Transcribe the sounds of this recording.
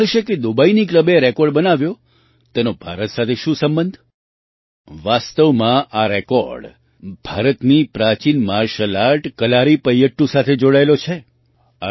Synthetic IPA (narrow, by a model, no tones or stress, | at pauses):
əʃeked̪ubainikləbeɾekɔɾɖbənaʋjo | t̪enobʱaɾət̪sat̪ʰeʃũsəmbənd̪ʱ | ʋast̪əʋmãʔaɾekɔ̰ɾɖ | bʱaɾət̪nipɾat͡ʃinmaɾʃəlaɾʈkəlaɾipəjəʈːusat̪ʰed͡ʒoɽaelot͡ʃʰe | a